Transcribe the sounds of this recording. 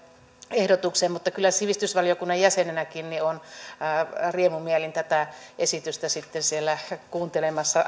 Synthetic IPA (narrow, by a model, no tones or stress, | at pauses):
ehdot̪ukseːmmut̪ːɑkylːˑæsiʋist̪ysʋɑliokunːɑjjæsenenækinnion | riemumielint̪æt̪æʔesit̪yst̪æsit̪ːensielːækuːnt̪elemɑsːɑ